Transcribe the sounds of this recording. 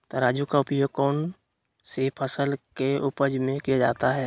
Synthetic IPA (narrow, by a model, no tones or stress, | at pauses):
t̪oɾaːd͡ʒukaʊpjoːɡ̚kɔːn | sepʰəsəlkeʊpəd͡ʒmẽkijad͡ʒa̰ːt̪aɦɛː